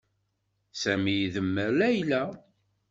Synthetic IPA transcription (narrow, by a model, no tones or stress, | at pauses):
sæmijðəmːəɾlæjlæ